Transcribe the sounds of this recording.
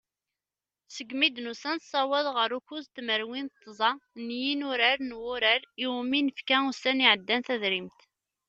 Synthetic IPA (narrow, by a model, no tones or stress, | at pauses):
səɡmid̪nusænsˤɑwæðˤʁəɾukuzt̪məɾwint̪ˤːzˤɑnjinʊɾəɾnwʊɾəɾiwminəfkæusæniʕəd̪ːænθæðɾimt̪